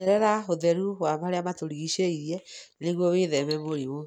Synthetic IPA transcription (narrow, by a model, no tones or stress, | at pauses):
ɛɾɛɾaoðɛɾuwamaɾeamatoɾiɣiʃeiɾɛneɣwɔweðɛβɛmoɾiwo